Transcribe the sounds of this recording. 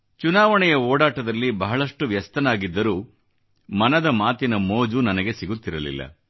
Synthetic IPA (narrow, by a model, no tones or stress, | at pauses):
t͡ʃunaːʋɐɳɛjɐoːɽaːʈɐd̪ɐlːibɐɦɐɭɐʂʈuʋjɐst̪ɐnaːɡid̪ːɐɾuː | mɐnɐd̪ɐmaːt̪inɐmoːd͡ʒunɐnɐɡe̞siɡut̪ːiɾɐlḭlːɐ̰